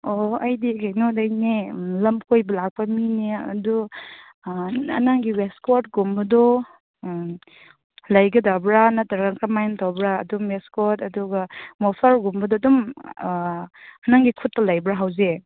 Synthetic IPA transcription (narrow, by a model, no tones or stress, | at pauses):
oɐjdikajnodajnelɐmkʰojbɐlak̚pɐmineɐ̰du | ɐ̰naŋɡiweskot̚ɡumbɐdɔ | lɐjɡɐdabɾanɐtaɾaŋkamajntʰawbɾa̰ːdumweskotɐduɡamɔpʰaɾɡumbɐdɔdum | ɐnaŋɡikʰutːɐlɐjbɾaɦawze